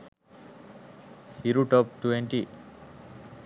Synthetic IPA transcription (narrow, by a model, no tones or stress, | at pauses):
iɾuʈɔp̚ʈuʋeɳʈi